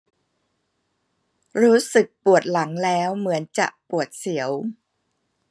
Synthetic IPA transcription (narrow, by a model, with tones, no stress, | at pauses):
ɾuː˦˥sɯ˨˩k̚pu˨˩ət̪̚la˩˦ŋlɛː˦˥wmɯ˩˦ənt͡ɕa̰˨˩ʔpu˨˩ət̪̚si˩˦əw